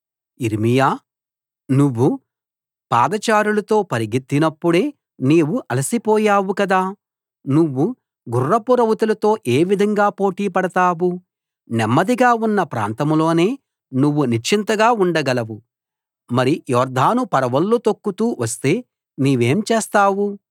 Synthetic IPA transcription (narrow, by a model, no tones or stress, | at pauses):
iɾmijaː | nuʋːu | paːd̪ɐt͡ʃaːɾulɐt̪o̞ːpɐɾiɡit̪ːinɐpːuɽe̞ː | neːʋuʔɐlɐsipɔːjaːwukɐd̪aː | nuʋːu | ɡurːɐpuɾɐwut̪ulɐt̪o̞ːʔeːʋid̪ʱɐŋɡaːpo̞ːʈiːpɐɽɐt̪aːwu | nɛmːɐd̪iɡaːunːɐpɾa̰ːnt̪ɐmlo̞ːne̞ː | nuʋːuniɾt͡ʃint̪ɐɡaːuɳɖɐɡɐlɐʋu | mɐɾijɔːɾd̪ʱaːnupɐɾɐʋɐlːuot̪okːut̪uːʋɐst̪e̞ː | niːʋe̞ːmt͡ʃeːst̪aːwu